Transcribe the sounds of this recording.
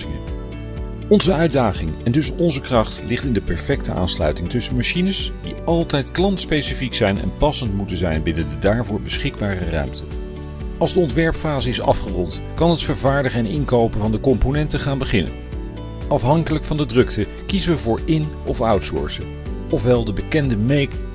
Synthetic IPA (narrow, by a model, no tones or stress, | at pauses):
ɪŋən | ɔnzəœɥdaːχɪŋɛndɵsɔnzəkrɑχtlɪχtɪndəpɛɹfɛktəʔa̰ːnslœ̰ɥtɪŋtɵsənmaʃinəsd̥iɑlˠtɛjtklɑntspejsifiksɛjnɛ̰npɑsəntmutənzɛjnbɪnəndədaːɹvʊːɹbəsχɪɡ̚baːrərœ̰ɥmtə | ɑlˠzdəɔntʋɛɹpfaːzəɪsɑ̰fχərɔnt | kɑnɦətfəɹvaːɹdəχəɛnɪŋkowpənvɑndəkɔmponɛntəχaːnbəχɪnə̰n | ɑfɦɑŋkələkfɑndədrɵktə | kizəʋəvʊːɹɪn | ɔfʌɥtsʊ̰ːɹsə | ɔfʋɛlˠdəbəkɛndəmejk